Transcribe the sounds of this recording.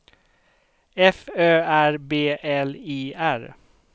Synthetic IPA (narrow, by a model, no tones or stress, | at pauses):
ɛføːæɹbeːʔɛliːæɹ